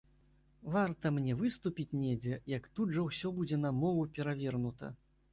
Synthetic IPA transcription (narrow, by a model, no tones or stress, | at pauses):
vart̪ɐmnʲɛvɨst̪upʲit͡sʲnʲɛd͡zʲɛjɐkt̪ud̪ʐɐwsʲɔbud͡zʲɛn̪ɐmɔvupʲɛɾavʲɛrnut̪ɐ̰